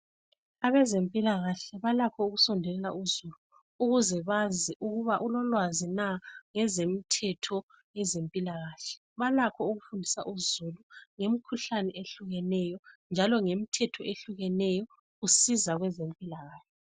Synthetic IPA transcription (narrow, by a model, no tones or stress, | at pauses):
aβɛzempʼilaɣaɬɛβalakʰɔuɣusɔndʱɛlɛla̰uzuluː | ɣuzɛβaziʔuɣuβaʔulɔlwazinaŋɛzemitʰɛtʰɔ | jɛzempʼilaɣaːɬɛ̥ | βalakʰɔuɣufundʱisa̰ʔuzuluŋemikʰuɬanɛʔeɬuɣɛnɛjɔnd͡ʒʱalɔŋemitʰɛtʰɔeɬuɣɛnɛjɔ | ɣusizaɣwɛzempʼilaɣaːɬɛ